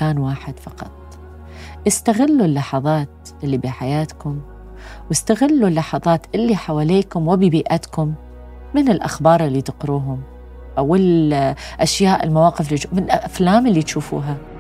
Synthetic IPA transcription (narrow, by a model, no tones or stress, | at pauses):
kaːnwaːħɪd̪̥fɑqɑ̰t̪̚ˤ | ʔɪst̪aɣɪlːulːɑħɑðˤɑːt̪ | ʔɪlːibiħajaːt̪kʊm | wɪst̪aɣɪlːulːɑħɑðˤɑːt̪ʔɪlːiħawaːleːkʊmwɪbibiːʔat̪kʊmː | ɪnɪlʔa̰xbɑːɾˤɪlːit̪ɪqɾuːɦʊm | ʔawɪlʔaʃjaːʔɪlmawaːqɪflimɪlʔʔaflaːmɪlːit̪ʃuːfṵːɦa